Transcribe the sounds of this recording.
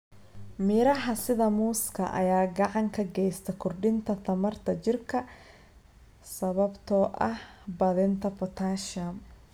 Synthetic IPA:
mɪɾɐɦɐsɪðɐmuːskʰɐ̰ʔɐ̰jaːɡɑʕɑŋkʰɐɡɛjst̪ʰɛkʰʊrɖɪnt̪ʰɐt̪ʰɐmɐrt̪ʰɐt͡ʃɪrkʰɐ | sɐβɐbt̪ʰɔːʔɐhbɐðɪnt̪ʰɐpʰɔt̪ʰaːʃɐm

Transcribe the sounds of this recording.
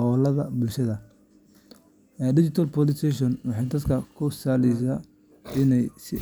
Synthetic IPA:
ɔːlɐðɐbʊlʃɐðɐ | ɖɪt͡ʃɪt̪ʰɐlpɔlɪst̪ʰɛʃɔnwɑħɑjd̪ɐd̪kʰɐkʰʊsaːlɛjs̬aː | ɪnɛjsɪ

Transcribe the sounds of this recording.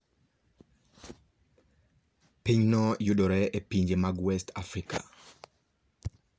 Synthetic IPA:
piɲnɔjudɔɾɛʔɛpiɲd͡ʒemaɡwɛst̪afɾikʰa̰

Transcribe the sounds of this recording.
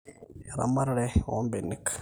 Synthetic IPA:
ɾa̰maɾɺewo̰mbenik

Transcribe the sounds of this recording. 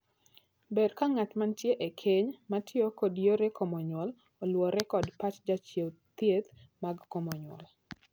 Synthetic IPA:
beɾkaŋatmantjeʔekʰeɲmatʰɪokodjoɾekʰomɔɲwɔl | ɔlwɔɾɛkɔdpat͡ʃd͡ʒat͡ʃjewt̪jet̪maɡkomɔɲwɔ̰l

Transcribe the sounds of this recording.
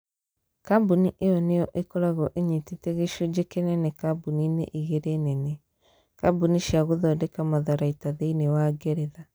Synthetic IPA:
kabuniʔejɔnejɔʔekɔɾaɣɔʔeɲititeɣeʃod͡ʑekenɛnekabuninḛʔiɣeɾenɛne | kabuniʃiaɣoðɔːdɛkamaðaɾaitaðeinewaɡeɾeða

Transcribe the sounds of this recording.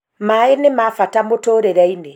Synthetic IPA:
maenemafatamotoɾeɾɛine

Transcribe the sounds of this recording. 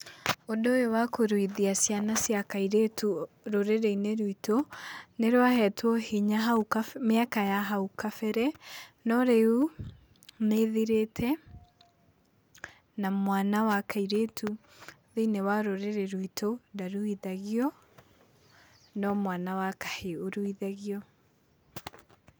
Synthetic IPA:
odojowakoɾwiðiasjanasjakaiɾetu | ɾoɾeɾeineɾwitoneɾoahɛtwɔhiɲaɦaukameakajaɦaukafɛɾɛnɔɾeu | neðiɾetʰɛ | namwanawakʰaiɾetʰu | ðeinewaɾoɾeɾeɾuitʰodaɾuiðaɣiɔ | nɔmwanawakḁheoɾuiðaɣiɔ

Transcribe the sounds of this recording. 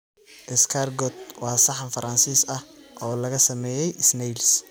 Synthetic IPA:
ʔɪskʰarɡɔt̪̚wɑːsɐħɑnfɐɾɐnsiːsɐhʔɔːlɐɣɐsɐmɛːjɛjɪsnɛls

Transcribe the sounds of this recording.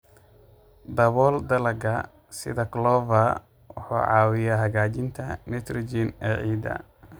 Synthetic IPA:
d̪ɐβɔːld̪ɐlɐɡɐ | sɪ̰ðɐklɔːvɐ | wʊ̰ħṵːʕɑ̰ːwɪjaɦɐɣaːt͡ʃɪnt̪ʰɐmɛt̪ʰrɔd͡ʒinɛːʕiːd̪ɐ̰

